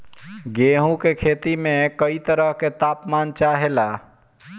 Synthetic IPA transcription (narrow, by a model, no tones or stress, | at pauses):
ɡeɦũkekʰet̪imẽkəit̪əɾəɦket̪aːpmaːnt͡ʃaɦela